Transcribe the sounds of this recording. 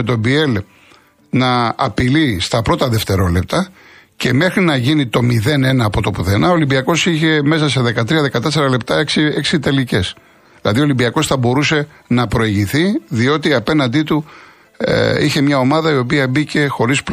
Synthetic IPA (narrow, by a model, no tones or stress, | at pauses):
et̪o̞bie̞l | nɐːpilist̪ɐpɾo̞t̪ɐðe̞ft̪e̞ɾo̞le̞p̚t̪ɐce̞me̞xɾinɐʝinit̪o̞miðe̞ne̞nɐːpo̞t̪o̞puθe̞nɐolimbiɐko̞siçe̞me̞s̬ɐse̞ðe̞kɐt̪ɾiɐðekɐt̪e̞s̬e̞ɾɐle̞pt̪ɐeksieksit̪e̞lice̞s | ðilɐ̰ðiolimbiɐko̞sθɐbo̞ɾuse̞ | nɐpɾo̞eʝiθiðio̞t̪iɐpe̞nɐnd̪it̪u | içe̞mɲɐo̞mɐðɐio̞piɐbice̞xo̞ɾisp